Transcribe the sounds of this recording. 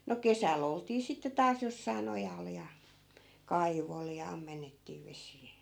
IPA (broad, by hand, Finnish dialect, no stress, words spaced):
no kesæl oltiː sitːe tɑːs josːɑi̯n ojɑl jɑ kɑiʋol jɑ ɑmːenːetːiː ʋesiː